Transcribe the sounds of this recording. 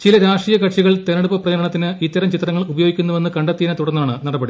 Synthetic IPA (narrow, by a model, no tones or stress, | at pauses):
t͡ɕilɐɾaːʂʈijɐkɐʈʂiɣɐɭt̪enɐɽupːɐprɐd͡ʑɐɾɐɳɐt̪ːinɨit̪ːɐɾɐmt͡ɕit̪ːɾɐŋːɐɭubɐjo̞ːɡikʲːunːuʋe̞nːɨkɐɳɖɐt̪ːiːnɐt̪uɽɐnːaːɳɨnɐɽɐbɐɽi